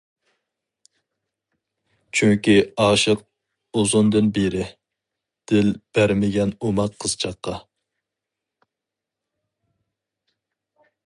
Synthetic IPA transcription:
t͡ʃʰyŋkʲiɑːʃɨq̚ | ozʊnd̪ɨnbeɾɪ | d̪̥ɪlb̥æɾmɪɡʲɛnomɑqʰːəz̥t͡ʃʰɑqːɑ

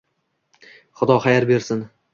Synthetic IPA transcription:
χʊd̪ɒχajaɾbe̞ɾsɪn

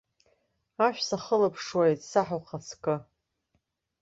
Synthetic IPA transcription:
aʃᶣsaχəlapʰʂwajtʼsaħaqʰat͡sʰkʼɨ

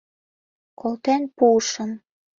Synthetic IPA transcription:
kʰolt̪enpuʃɤ̆m

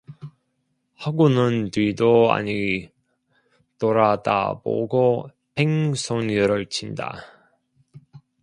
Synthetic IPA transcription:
haɡunɯntwidoa̰ɲi | toɾada̰bo̰ɡo | pʰeŋsʰonɯɾʌɭt͡ɕʰinda̰

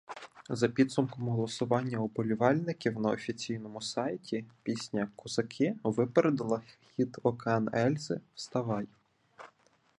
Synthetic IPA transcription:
zɐpʲid̪sʊmkɔmɦɔlˠɔsʊʋɑnʲːɐubɔlʲʊʋɑlʲnɪkʲiwnɐɔfʲit͡sʲijn̪ɔmʊsɑjtʲipʲisʲnʲɐkʊz̥ɐkʰɪʋɪpeɾed̪ɪlˠɐxʲit̪ɔkɑnɛlʲzɪwst̪ɐʋɑj

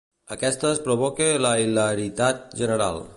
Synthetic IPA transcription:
əkɛst̪əːspɾoβɔkeləiləɾit̪at̪̚ʒənəɾa̰l

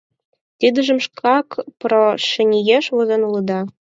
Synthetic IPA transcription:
t̪ʲid̪ɘ̆ʒɘ̆mʃkʰɑkproʃɘ̆nʲijeʃʋɤ̆zɤ̆nulˠɤ̆d̪ɑ

